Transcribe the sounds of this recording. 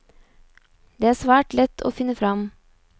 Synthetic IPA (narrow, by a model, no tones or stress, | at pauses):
d̪̥eːæːsʋæːʈlɛt̪ʰo̰ːfɪnːəfɾɑm